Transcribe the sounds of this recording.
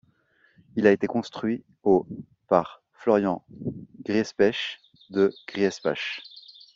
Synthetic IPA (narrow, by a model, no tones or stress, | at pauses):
ilaet̪ekɔ̃st̪χɥi | o | paʁ | flɔʁjɑ̃ɡʁiɛspɛʃ | d̪əɡ̥ʁiɛspa̰ʃ